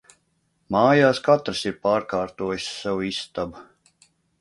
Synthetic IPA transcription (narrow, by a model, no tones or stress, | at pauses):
maːjaːskat̪ɾɨsiɾpaːɾkaːɾt̪uɔjsːawist̪ab